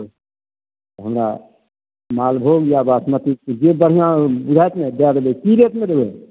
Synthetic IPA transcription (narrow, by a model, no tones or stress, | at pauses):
oɦəmɾa̰ | malbʱoɡjabasmət̪ikd͡ʒebəɽ̤ijãbud͡ʒʱajt̪med̪ad̪ebekiɾet̪mẽd̪eɡoɛ